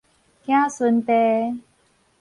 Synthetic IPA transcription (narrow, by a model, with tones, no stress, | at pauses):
kj̃ã˦su˧nt̪e˧˦